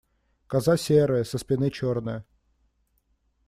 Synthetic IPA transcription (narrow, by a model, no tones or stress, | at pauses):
kɐzasʲeɾɨjəsəspʲɪnɨt͡ɕornɨjə